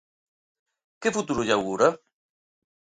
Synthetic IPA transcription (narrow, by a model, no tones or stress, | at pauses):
kefut̪uɾuʎawɣuɾa